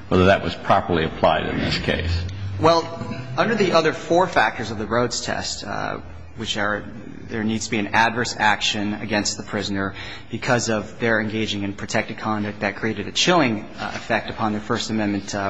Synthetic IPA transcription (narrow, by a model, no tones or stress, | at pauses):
wɛðə˞ðɨʔ̚wʌz̥pʰɹ̥ɑpə˞lˠiɨpʰl̥a̰ɪɾɨ̰̃nðɪ̰skʰḛɪswɛlˠʌ̃ndə˞ðiʔʌðə˞fɔɹfæk̚tə˞zʌvðɨɹoʊdz̥tʰɛ̰st | wɨt͡ʃə˞ | ðə˞nidz̥tʰbiɨ̃nædvɜ˞sækʃɨ̃nɨ̰ɡɛ̃nst̪̚ðəpʰɹ̥ɪznə˞ | b̥ɨkʰʌzʌvðə˞ɨ̃nɡeɪd͡ʒɪ̃ŋɨ̃npʰɹ̥ɨtʰɛk̚tɨd̚kʰɑ̃ndʌk̚t̪̚ðɨt̚kʰɹ̥ieɪɾɨɾɨt͡ʃʰɪlˠɪ̃ŋ | ɨ̰fɛk̚tɨpʰɑ̃nðə˞fɜ˞stɨmɛ̃nmɨ̃nt